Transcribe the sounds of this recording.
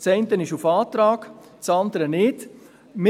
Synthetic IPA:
t͡sɛɪntənɪʃufɑːtɾɑːk | t͡sɑndəɾənɪːt | mɪ

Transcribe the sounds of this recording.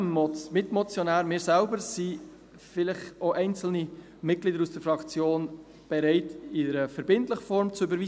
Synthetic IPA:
mɔmɪtmɔt͡sjonæːɾmɪːɾsælbəɾsi | fɪlɪχoʔɛɪnt͡sl̩ni | mɪt̚ɡ̥liːdəɾusd̥əɾfɾɑkt͡sjoːn | b̥ɛɾɛɪtɪdəɾəfəɾbɪntləχəfɔɾmt͡suybəɾʋiː

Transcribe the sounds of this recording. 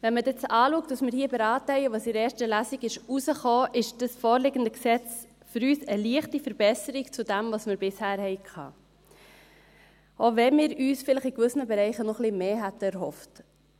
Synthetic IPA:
vɛnmədɪt͡sɑːluːək̚t̚d̥ɑsmɪːɾhiːəbɛɾɑːtəhɛɪəʋɑːsɪɾɛːɾʃtəlæziɡɪʃusəχoːʔɪʃd̥əsfoːɾlɪɡəndəksɛt͡s | fʏɾyːsəliəχtifəɾb̥ɛsəɾikt͡sudæmvɑsmɪːɾbɪshæːɾhɛɪkʰɑ̰ː | ovɛmɪːɾyːsfɪləχikʋʏsənəbɛɾɛɪχənɔχlɪmeːɦætəɛɾhɔft

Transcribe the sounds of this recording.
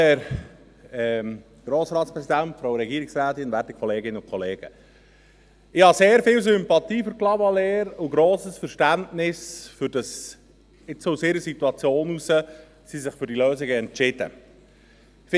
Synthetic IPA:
ɛɾ | ɛ | ɡ̥ɾoːsɾɑːtspɾɛsid̪æntfɾowɾɛɡiːɾɪksɾæːt̪ɪnvæɾtikʰχɔleːɡɪnːəʊkʰɔleːɡ̥ə̰ | ɪhɑseːɾfɪːls̬ʏmpɑt̪iːføɾklɑmɑleːɾʊɡɾoːsəsfəɾʃtæntnɪsfʏɾd̥ɑs | ɪt͡sousɪɾəsit̪uɑt͡sjoːnusə | sisɪχfʏɾdiløːsɪɡəɛntt͡ʃɪd̥ə̰ | f

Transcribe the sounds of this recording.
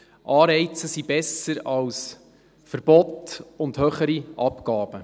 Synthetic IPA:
ʔɑːɾɛɪt͡səsibɛsəɾɑws | fəɾb̥ɔtʊndhøːχəɾiʔɑpkɑːb̥ə

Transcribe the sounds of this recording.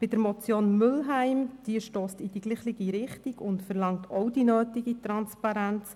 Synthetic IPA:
b̥ɪd̥əɾmɔt͡sjoːnmʏlɦæɪmd̥iəʃtoːstid̥iɡliːχlɪɡiɾɪχtiɡʊntfərlɑŋtʰɔwdinøːtɪɡit̪ɾɑnspɑɾænt͡s

